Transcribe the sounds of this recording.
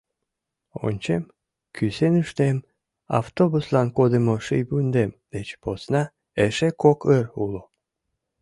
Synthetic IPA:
o̰nʲt͡ɕem | kʰysenuʃt̪em | ɑ̰ft̪obuslɑnkod̪əmoʃɨjbund̪emd̪et͡ɕposnɑ | eʃekokʰərulo

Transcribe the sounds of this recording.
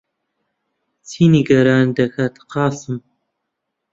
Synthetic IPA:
t͡sʰiniɡɐɾaːnd̪ɐkʰaːt̪ʰqʰɑːsɨm

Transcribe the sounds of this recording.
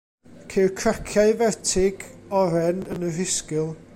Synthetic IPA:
kʰerkʰrakʰjaɨvɛrtʰɪɡ̥ɔɾɛnənərɪskɪlˠ

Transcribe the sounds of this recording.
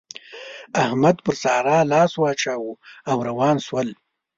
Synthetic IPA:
ahmad̪pəɾsɑːɾɑːlɑːswɑːt͡ʃaːwuawɾawɑːnswəl

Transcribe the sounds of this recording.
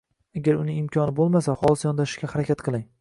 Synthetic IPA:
aɡʲaɾʊnɪŋɪmkʰʲɒnɪbolˠmasahɒlˠɪsjɒnd̪aʃɪ̥ʃkʲahaɾakʲʰat̪qʰɨlˠaŋ

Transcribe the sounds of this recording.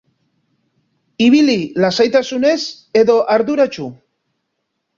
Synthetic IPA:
iβ̞ililasajt̪asune̞s | e̞ðo̞ʔaɾðuɾat͡ʃu

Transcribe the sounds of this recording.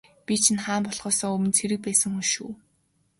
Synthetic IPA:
pʲit͡ɕʰĭnχaːmpɔɮʁ̥ɔːsɔːɵmɘ̆nt͡sʰeɾɘ̆k̚pæːsə̆ŋuʃuː

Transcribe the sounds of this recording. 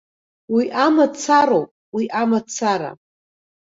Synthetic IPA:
wiʔamat͡sʰaɾowpʼwiʔamat͡sʰaɾa̰

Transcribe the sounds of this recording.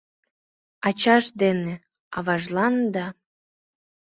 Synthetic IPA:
ɑt͡ɕɑʃd̪ene | ɑβɑʒlɑnd̪ɑ

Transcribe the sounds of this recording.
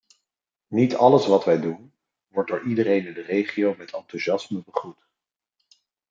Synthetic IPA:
nitɑləsʋɑtʋɛjdun | ʋɔɹ̚dʊːɹʔidəɾejnɪndərejχiowmɛtʰɑntuʒɑsməbəχrut

